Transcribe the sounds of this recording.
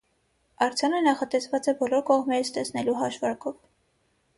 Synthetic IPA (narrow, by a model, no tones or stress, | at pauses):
ɑɾt͡sʰjɑnənɑχɑt̪ɛsvɑt͡sɛbɔlɔɾkɔʁmɛɾət͡sʰt̪ɛsʰnɛluɦɑʃvɑɾkɔv